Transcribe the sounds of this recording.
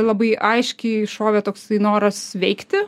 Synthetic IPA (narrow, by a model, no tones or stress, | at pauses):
lˠɐbɐɪʔɐɪʃʲkʲɛɪʃoːʋʲet̪oːksɐɪnoːɾɐsʋʲɛɪkt̪ʲɪ